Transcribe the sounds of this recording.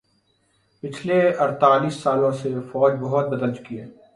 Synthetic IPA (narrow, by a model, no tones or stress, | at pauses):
pɪt͡ʃʰleɐɾt̪aːliːsːaːlõsefɔːd͡ʒbɐɦʊt̪̚bɐd̪əlt͡ʃʊ̥kiɦɛː